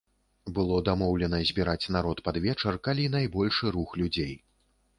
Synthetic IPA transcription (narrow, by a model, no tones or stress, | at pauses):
bɨlˠɔd̪amɔwlʲɛn̪ɐzʲbʲiɾat͡sʲnaɾɔt̪pad̪vʲɛt͡ʂɐrkalʲin̪ajbɔlʲʂɨɾuxlʲud͡zʲej